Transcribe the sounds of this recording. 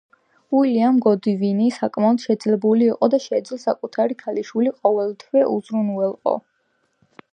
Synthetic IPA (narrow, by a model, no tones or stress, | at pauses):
uiliamɡɔd̪ivinisakʼmaɔd̪̥ʃɛd̪zlɛbuliːqʼɔd̪aʃɛd̪zlsakʼut̪ʰaɾikʰaliʃwiliqʼɔvɛlˠt̪ʰwɛʔuzɾunwɛlˠqʼɔ̰